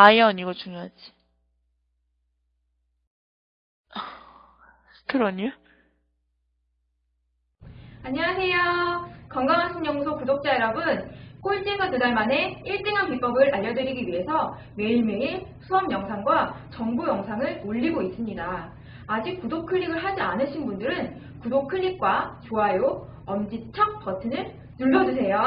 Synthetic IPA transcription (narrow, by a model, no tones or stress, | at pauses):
ajʌniɡʌt͡ɕuŋjoɦad͡ʑi̥ | ʌ | kɯɾʌɲo | aɲiwasʰe̞jokʌŋɡaŋɦansʰoŋɲʌŋusʰopudok̚t͡ɕ͈aeɾʌbɯnk͈oɭt͡ɕ͈iŋɡatudaɭmane̞iɭt͈eŋɦanpip͈ʌbɯɾʔaʎːʌdɯɾiɡiɥiɦe̞sʰʌ | me̞iɭmeisʰuʌmjʌŋsʰaŋɡwat͡ɕʌŋbujʌŋsʰaŋɯɭoʎːiɡois͈ɯmɲidaː | d͡ʑik̚k͈ːudokʰɯʎːiɡɯɭɦad͡ʑianɯɕʰinbundɯɾɯn | kudokʰɯʎːik̚k͈wat͡ɕoajo | ʌmd͡ʑit͡ɕʰʌk̚pʌtʰɯnɯɭ | nuɭːʌd͡ʑusʰe̞jo